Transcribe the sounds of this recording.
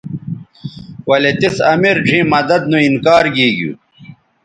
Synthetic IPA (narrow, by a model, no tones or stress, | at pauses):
wɐlet̪isɐmiɾʈ͡ʂʰĩːmɐd̪ɐd̪̚nuinkaːɾɡiːɡjṵː